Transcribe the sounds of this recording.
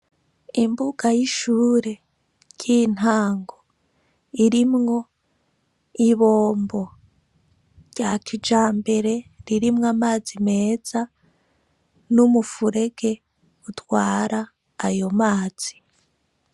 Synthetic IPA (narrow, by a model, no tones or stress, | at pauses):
imbuɡ̥ajiʃuːɾe̞ | ɟin̥aːŋɡo̞ | iɾimŋo̞ | iβoːmbo̞ | ɾɟakʰid͡ʒaːmbe̞ɾe̞ɾiɾimŋamaːzime̞ːz̥a | numufuɾe̞ɡe̞ | utwaːɾaː | jo̞maːz̥i